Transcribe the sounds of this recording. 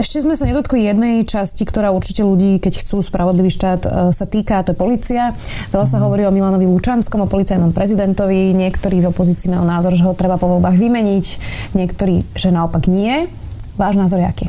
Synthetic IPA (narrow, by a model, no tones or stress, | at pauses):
ɛʃcɛzmɛsaɲɛd̪ɔt̪klijɛd̪nɛjt͡ʃascikt̪ɔɾaːuɾt͡ʃicɛluɟiːkɛcxt͡suːspɾaʋɔd̪liʋiːʃt̪aːt̪sat̪iːkaːt̪ɔjɛpɔliːt͡sia | ʋɛʎasaɦɔʋɔɾiːɔmilanɔʋilut͡ʃanskɔmɔpɔlit͡sajnɔmpɾɛzid̪ɛnt̪ɔʋiɲɪɛkt̪ɔɾiːvɔpɔziːt͡siːmajɔnaːzɔɾʒɛɦɔt̪ɾɛbapɔʋɔlbaːɣʋimɛɲiɟɲɪɛkt̪ɔɾiːʒ̥ɛnaɔpaɡɲɪɛ | ʋaːʒnaːzɔɾjɛa̰kiː